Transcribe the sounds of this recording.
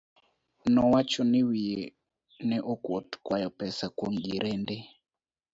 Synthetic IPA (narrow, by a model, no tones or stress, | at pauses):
nɔwat͡ʃɔnɪwie | nɛʔɔkwotkwajɔpɛsakwɔŋɡiɾʔɛnde